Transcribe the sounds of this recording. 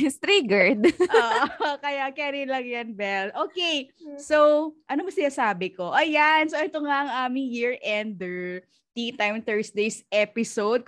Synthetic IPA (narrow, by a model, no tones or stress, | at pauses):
st̪ɾiɡɛɹd̪ʔoːʔʔokɐjakɛɾɪlɐŋjɐnbɛlʔoːkejsowʔɐnobɐsɪnasaːbɪko̞ʔɐjansoʔɛt̪oŋaʔɐŋʔaːmɪŋjiɹʔɛnd̪ɛ | t̪it̪ajmt̪ɛɹsd̪ejsʔɛpɪsowd̪̚